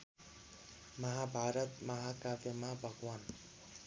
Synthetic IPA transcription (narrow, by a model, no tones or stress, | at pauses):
mɐɦabʱaːɾət̪mɐɦakabemabʱəɡwaːn